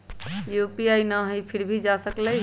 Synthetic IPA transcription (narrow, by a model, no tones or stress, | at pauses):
jupiajnəɦəjpʰiɾbʱid͡ʒasəkləj